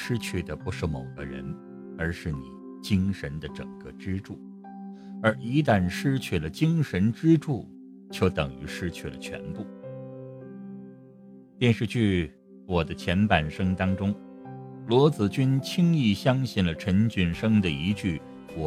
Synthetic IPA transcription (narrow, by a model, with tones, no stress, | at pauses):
ʂɻ̩˥t͡ɕʰy˥˩d̪ə˩pu˧˥ʂɻ̩˥˩mo˨˩ʊɡə̰˦ɻə̰˧˥n | ə˞˧˥ʂɻ̩˥˩ni˨˩˦ | t͡ɕi˥ŋʂə˧˥nd̪ə˧ʈ͡ʂə̰˨˩ŋkə˥˧ʈ͡ʂɻ̩˥ʈ͡ʂu˥˩ | ə˞˧˥ʔi˧˥t̪a˥˩nʂɻ̩˥t͡ɕʰy˥˩lə˩t͡ɕi˥ŋʂə˧˥nʈ͡ʂɻ̩˥ʈ͡ʂu˥˩ | t͡ɕjo˥˧ʊt̪ɤ˨˩ŋy˧˥ʂɻ̩˥t͡ɕʰy˥˩lə̰˩t͡ɕʰɥɛ̰˧˥npu˥˩ | pjɛ˥˧nʂɻ̩˥˧t͡ɕy˥˩ | wɔ˨˩d̪ə˦t͡ɕʰjɛ˧˥npa˨˩nʂɤ˥ŋt̪ɑ˥ŋʈ͡ʂʊ˥ŋ | lwɔ˧˥t͡sɹ̩˨˩t͡ɕy˥nt͡ɕʰi˥ŋi˥˩ɕjɑ˥ŋɕi˥˩nlə˩ʈ͡ʂʰə˧˥nt͡ɕy˥˩nʂɤ˥ŋd̪ə˨i˧˥t͡ɕy˥˩ | wɔ˨˩